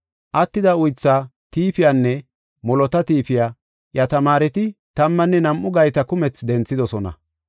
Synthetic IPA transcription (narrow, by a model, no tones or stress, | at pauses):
ʔɐt̪ːɪd̪ɐʊjt͡sːa | t̪iːfɪjanːɛ | mɔlɔt̪ɐt̪iːfɪjaː | jɐt̪ɐmaːɾɛt̪ɪt̪ɐmːɐnːɛnɐmʔʊɡɐjt̪ɐkʊmɛt͡sd̪ɛnt͡sːɪd̪ɔsɔnɐ̰